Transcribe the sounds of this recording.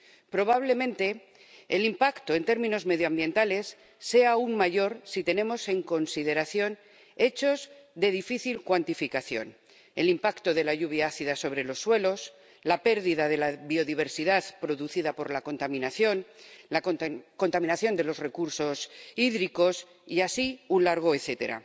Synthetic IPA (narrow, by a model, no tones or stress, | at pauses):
pɾo̞β̞aβ̞le̞mẽ̞nt̪e̞ː | limpakt̪o̞e̞nt̪e̞ɾmĩno̞zme̞ðjoambjẽ̞nt̪ale̞sː | e̞aːuŋmaʝo̞ɾsit̪e̞nẽ̞mo̞se̞ŋko̞nsið̞e̞ɾaθjo̞n | e̞t͡ʃo̞zðe̞ð̞ifiθilkwant̪ifikaθjo̞̰n | e̞limpakt̪o̞ðe̞laʝuβjaaθiðaso̞β̞ɾe̞lo̞sːwe̞lo̞s | lape̞ɾðiðaðe̞laβio̞ðiβ̞e̞ɾsiðaðpɾo̞ðuθiðapo̞ɾlako̞nt̪amĩnaθjo̞nlako̞nt̪amĩnaθjo̞nd̪e̞lo̞zre̞kuɾso̞siðɾiko̞s | iasiunlaɾɣ̞o̞eθe̞t̪e̞̰ɾa̰